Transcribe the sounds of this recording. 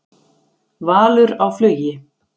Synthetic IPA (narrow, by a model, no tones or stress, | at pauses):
vaːlʏɾawflœːɥjɪ